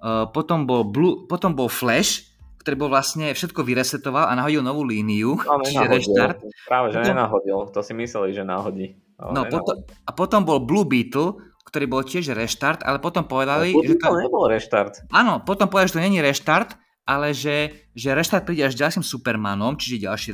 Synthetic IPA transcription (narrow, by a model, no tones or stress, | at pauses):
pɔt̪ɔmbɔlbluːpɔt̪ɔmbɔlflɛʃ | k̚t̪ɔɾiːbɔlʋlasɲɛfʃɛt̪̚kɔʋiɾɛsɛt̪ɔʋalʔa̰naɦɔɟilnɔʋuːliːniut͡ʃiɛɦɾɛʃt̪aɾt̪pɾaːʋɛʒɛɲɛnaɦɔɟilt̪ɔsimislɛliʒɛna̰ɦɔɟḭ | nɔpɔt̪ɔapɔt̪ɔmbɔlbluːbiːt̪l̩ˠ | kt̪ɔɾiːbɔlcɪɛʒɾɛʃt̪aɾt̪a̰lɛpɔt̪ɔmpɔʋɛd̪aliʒɛt̪ɔlɲɛbɔlˠɾɛʃt̪aɾt̪aːnɔpɔt̪ɔmpɔʋɛdalʒɛt̪ɔɲɛɲiɾɛʃt̪aɾt̪ | ʔalɛʒɛʒɛɾɛʃt̪aɾt̪̚pɾiːɟɛaʒzɟalʃimsupɛɾmanɔmt͡ʃiʒɛɟa̰lʃi